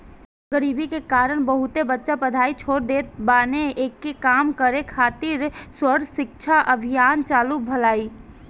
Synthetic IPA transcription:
ɡəɾiːbikekaːɾəɽ̃bəɦʊt̪ebətːʃapɐd̪ʱaːit͡ʃʰoːɾd̪eːt̪̚baːneeːkːekaːmkəɾekʰaːt̪ɪɾswəɾʃɪk̚ʃʰaʔəbʱɪjaːnt͡ʃaːlubʱɐlaːiː

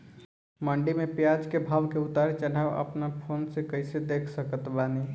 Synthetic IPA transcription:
məɳɖimepjad͡ʒkebʱabkeut̪aɾet͡ʃəɽaʋə̰pnapʰonsekəɪsed̪ekʰsəkət̪bani

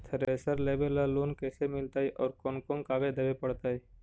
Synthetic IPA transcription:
t̪ʰəɾeːsəɾleːbelːaloːnkɛːsemɪlt̪aːɦɛʔɔːɾkɔːnkɔ̃ːŋkaːɡed̪ɐbepəɽt̪aːɦɛ

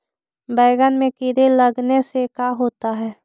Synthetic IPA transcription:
bɛɪɡənmẽkɪɾeləɡnesekaɦoːt̪aɦɛː

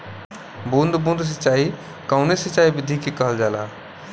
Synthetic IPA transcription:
bũnd̪ʱbũnd̪ʱs̬ət͡ʃaːi | kəʊnesət͡ʃaːibɪd̪ʱikekəɦəld͡ʒaːla̰

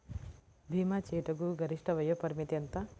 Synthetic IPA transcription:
bʱiːmat͡ʃeːʈɐɡuɡɐɾiʂʈɐʋɐjopɐɾmit̪jɐnt̪ɐ

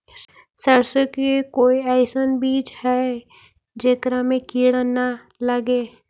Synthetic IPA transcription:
səɾsəkekoːiɛːsənbiːt͡ʃhɛ | d͡ʒeːkɾamẽkiːɽəna | ləɡeː

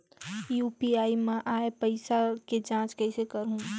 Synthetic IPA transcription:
juːpiaːimɛ̃ʔaːepəɪsaked͡ʒãːt͡ʃkəɪsekəɾɦũ

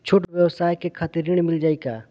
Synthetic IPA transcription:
t͡ʃʰʊʈʋjəwsaːjkekʰat̪iɾiɽ̃mɪld͡ʒaːikaː

